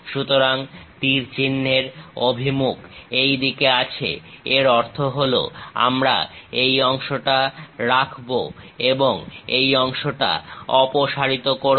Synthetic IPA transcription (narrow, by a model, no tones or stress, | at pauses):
ʃut̪oɾaŋt̪iɾt͡ɕinːeɾobʱimukejd̪ikeat͡ɕʰḛeɾɔɾt̪ʰoɦolo̰a̰mɾa̰ejɔŋʃoʈaɾakʰboeboŋejɔŋʃoʈa̰ɔpoʃaɾit̪okoɾ